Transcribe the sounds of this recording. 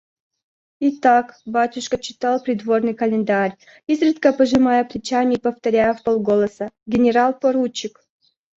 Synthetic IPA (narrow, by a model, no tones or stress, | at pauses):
it̪akbatʲʊʂkət͡ɕːɪ̥t̪alˠpɾʲɪd̪vornɨjkɐlʲɪnd̪aɾʲ | izrɨt̪kəpəʐɨmajəplʲɪt͡ɕamʲɪpəft̪ɐɾʲajəfpolˠɡolˠəsəɡʲɪnʲɪɾalˠpoɾut͡ɕːɪk